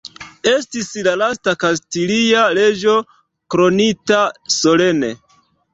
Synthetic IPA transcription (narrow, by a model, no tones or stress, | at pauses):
e̞stislalastakastiliale̞d͡ʒo̞ | kɾo̞nitaso̞le̞ne̞̰